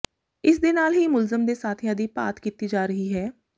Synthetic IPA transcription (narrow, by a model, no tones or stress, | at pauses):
ɪs̬d̪enaːlɦiːmʊlzəmd̪eːsaːt̪ʰjãːd̪ipa̰ːt̪kiːt̪id͡ʒaːɾəɦiɦɛː